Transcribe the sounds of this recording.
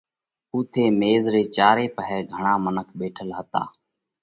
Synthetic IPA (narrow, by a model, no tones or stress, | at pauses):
ʊːt̪ʰeːmeːzɾeːt͡ʃaːɾeːpəɦɛːɡʱəɳ̃ãːmənəkʰɓeːʈʰəlɦət̪a̰ː